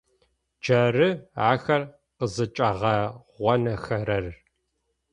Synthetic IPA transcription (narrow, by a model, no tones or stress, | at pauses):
d͡ʒɐrɨaːxɐr | qəzɨt͡ʃʼɐʁɐʁʷɔnɐxɐɾɐr